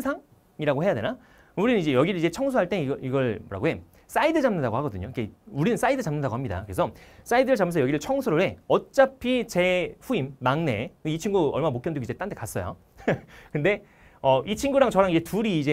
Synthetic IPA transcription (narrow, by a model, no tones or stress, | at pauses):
sʰaŋ | iɾaɡoɦe̞jade̞̰na | uɾinɯnid͡ʑe̞jʌɡiɾɯɭid͡ʑe̞t͡ɕʰʌŋs̬ʰuɦaɭt͈e̞iiɡʌɭmoɾa̰ɡoɦe̞ | s͈aidɯd͡ʑamnɯndaɡohaɡʌdɯɲoikeuɾinɯns͈aidɯt͡ɕamnɯndaɡoɦamɲida̰kɯɾesʰʌs͈aidɯɾɯɭt͡ɕamʰːes̬ʰʌjʌɡiɾɯɭt͡ɕʰʌŋsʰuɾoɾe̞ʌt̚t͡ɕ͈apʰit͡ɕe̞ɸuimːaŋne̞̰kɯit͡ɕʰiŋɡuʌɭmaamokjʌndeɡoid͡ʑet͈andek͈as͈ʌjo̰ | kɯnde̞ | ʌʔit͡ɕʰiŋɡuɾaŋt͡ɕʌɾaŋid͡ʑe̞tuɾiːd͡ʑe̞